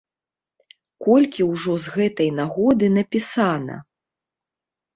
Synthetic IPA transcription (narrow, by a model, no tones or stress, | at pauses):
kɔlʲkʲiwʐɔzɣɛt̪ɐjnaɣɔd̪ɨnɐpʲisanɐ̰